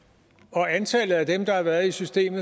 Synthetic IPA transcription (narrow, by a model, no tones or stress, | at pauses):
ɒ̽ænt͡sʰɛlð̩ˠæd̥emd̥ɑ̈hɑ̈ʋæːɐðˠisysd̥e̝̰ːmð̩ˠ